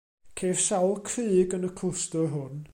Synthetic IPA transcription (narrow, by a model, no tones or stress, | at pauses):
kʰeːv̥sawlˠkʰrɨːɡənəkʰlʊstəɦʊn